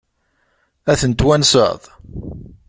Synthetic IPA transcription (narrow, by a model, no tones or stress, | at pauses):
æθənt̪wænsə̰ʁðˤ